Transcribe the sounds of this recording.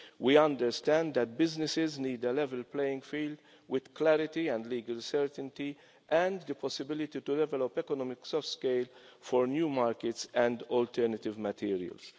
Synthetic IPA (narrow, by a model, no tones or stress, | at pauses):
wiʌ̃nd̪əɾst̪æ̃nd̪d̪ɛt̪̚bɪznɪsɪzniːd̪əlɛvɛlplejɪ̃ŋɡfiːld̪ | wɪd̪̥klæɾɪt̪iɛ̃nd̪liːɡəlsɛɾt̪ə̃nt̪i | ʔɛ̃nd̪əpʰɔsɪbɪlɪt̪it̪ud̪ɛvɛlɔpɛkɔnɔmɪksɔftskeɪlfɔɾnjuːmaːɾkɪtsɛ̃nd̪ɔlt̪ʰɛɾnət̪ɪvmət̪ʰiːɾiə̰ls